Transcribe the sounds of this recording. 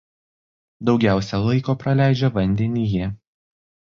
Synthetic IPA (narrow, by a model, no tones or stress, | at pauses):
d̪ɒʊɡʲæˑʊsʲɛlˠɐɪkoːpɾɐlʲæˑɪd͡ʒʲɛʋɐnʲd̪ʲɛnʲijɛ